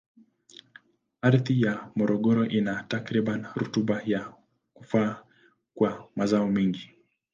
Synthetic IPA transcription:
aɾðijamɔɾɔɠɔɾɔʔinatakɾiɓanɾṵtuɓaja | kufaː | kwamazaɔmiŋɡi

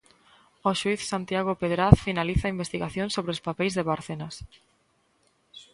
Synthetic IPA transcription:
oʃuiθsant̪jaɣopeðɾaθfinaliθaimbest̪iɣaθjoŋsoβɾeospapejzðeβaɾθenas

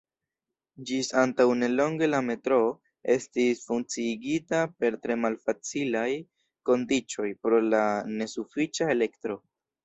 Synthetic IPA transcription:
d͡ʒisantawne̞lo̞ŋɡe̞lame̞tɾo̞ | e̞stisfuŋt͡siːɡitape̞ɾtɾe̞malfat͡silaj | ko̞ndit͡ʃo̞jpɾo̞lane̞sufit͡ʃae̞le̞ktɾo̞

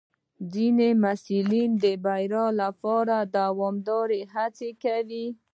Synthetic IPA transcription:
zinemasulind̪əbajɾɑlapɑɾad̪awɔmd̪ɑɾeɦat͡sekawi

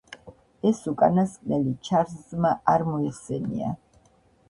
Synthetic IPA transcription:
ɛsukʼanaskʼnɛlit͡ʃʰaɾszmaaɾmɔɛχsɛnḭa̰

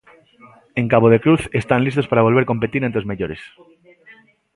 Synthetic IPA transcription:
ẽŋkaβoðe̞kɾuθest̪anlist̪o̞spaɾaβ̞o̞lβe̞ɾko̞mpe̞t̪iɾent̪eozmeʎoɾes

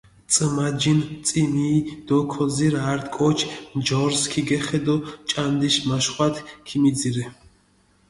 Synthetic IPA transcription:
t͡sʼəmad͡ʒint͡sʼimiːd̪̥ɔkʰɔziɾaɾt̪ʼkʼɔt͡ʃʰnd͡ʒɔɾskʰiɡɛχɛd̪ɔt͡ʃʼand̪iʃmaʃχwat̪ʰkʰimiziɾɛ

